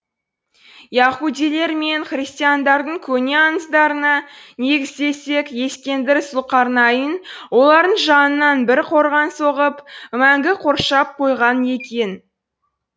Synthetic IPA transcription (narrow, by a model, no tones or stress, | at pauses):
jɑχud̪ʲijle̞ɾme̞ɴχrʲist̪ijɑnd̪ɑɾd̪əɴkʲʰɵne̞ɑnəsd̪ɑɾənɑne̞ɡʲɪzd̪e̞se̞kje̞skʲe̞nd̪ɪɾɪsʊlˠqɑɾnɑjənwo̞lˠɑɾd̪ənʒɑnənːɑnbɪɾqʰo̞ɾʁɑnsoʁəpmæŋɡʲɪqʰo̞ɾʃɑp̚qʰo̞jʁɑne̞kʲe̞n